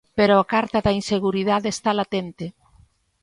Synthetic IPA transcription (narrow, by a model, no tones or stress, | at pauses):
peɾoakaɾt̪aðɐinseɣuɾiðaðeest̪alat̪ent̪e